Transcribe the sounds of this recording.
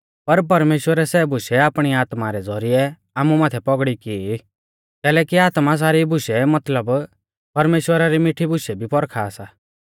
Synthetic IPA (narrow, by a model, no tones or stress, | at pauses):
pɐɾp̬ɐɾmeːʃwəɾɛsɛːbʊʃɛaːpɽ̃iaːt̪maɾɛd͡zɔɾiɛ | aːmumaːt̪ʰɛpɔɡɽiki | k̪ɛːlɛːkiaːt̪mas̬aːɾibʱʊʃɛmɐt̪ləb | pɐɾmeːʃwəɾaɾimɪʈʰibʊʃɛbʱipɔɾkʰaːsaː